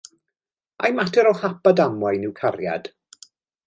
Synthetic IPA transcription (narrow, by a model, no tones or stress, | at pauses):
a̰jmatʰɛɾɔhapadamwajnɪwkʰaɾja̰d̥